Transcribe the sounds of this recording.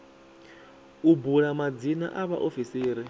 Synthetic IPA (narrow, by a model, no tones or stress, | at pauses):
ubulamad͡zina̰ʔaβa̰ʔofisiːɾi